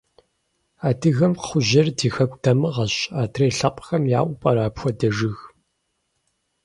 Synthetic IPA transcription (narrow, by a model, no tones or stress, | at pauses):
aːdʰɨɣɐmχʷʊʑɐrdiːxɐkʷʼtʰɐmɨʁɐɕaːtʰreːɬɐqʷʼxɐmjaːʔʷpʼɐɾaːpxʷɔdɐʐɨɣ